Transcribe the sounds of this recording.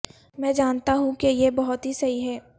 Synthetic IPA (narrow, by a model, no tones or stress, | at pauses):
mɛ̃ːd͡ʒaːnt̪aɦũkejebɐɦʊt̪ɦisɐiɦɛː